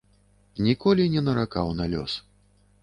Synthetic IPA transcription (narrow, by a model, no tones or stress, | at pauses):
nʲikɔlʲinʲɛnɐɾaka̰wnalʲɔ̰s